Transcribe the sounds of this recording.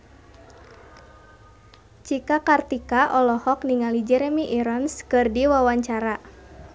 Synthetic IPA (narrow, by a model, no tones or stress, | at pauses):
t͡ʃikakart̪ikaʔɔlɔhɔkniŋalid͡ʒɛɾɛmiʔiɾɔnskɨrdiwawaɲt͡ʃaɾa